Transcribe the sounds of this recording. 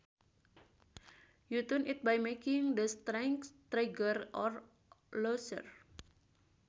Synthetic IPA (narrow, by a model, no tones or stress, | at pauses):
jut̪unʔit̪̚bajmekɪŋd̪əst̪ɾɛŋkst̪ɾeɡərʔɔr | losə̰r